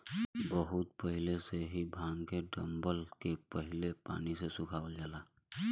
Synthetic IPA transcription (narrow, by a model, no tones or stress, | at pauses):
bəɦʊt̪̚pəɦɪleseɦibʱãːŋkeɖə̃mbəlkepəɦɪlepa̰ːnisesʊkʰaːʋəld͡ʒaːlaː